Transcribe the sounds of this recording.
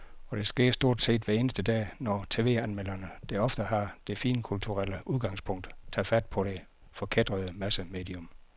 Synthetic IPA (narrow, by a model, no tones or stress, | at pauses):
ɒ̽ɾ̥e̝sɡ̥e̝ɐ̰sd̥o̝ɐ̰d̥se̝̰ːd̥ʋæe̝ːnəsd̥əd̥ɛ̰ːnɒt͡sʰe̝̰ːʋe̝̰ːænmel̰ɐnəd̥eɒ̽fd̥əhɑ̈d̥e̝fḭːnkʰult͡sʰuʁal̰əʔuðˠɡ̥ɑ̈ŋ̰spʰɔ̽ŋ̰d̥t͡sʰæðˠfæd̥̚pʰɒ̽ɾ̥e̝ | fɒ̽kʰed̥ʁɐðˠəmæsəme̝̰ːd̥iɔm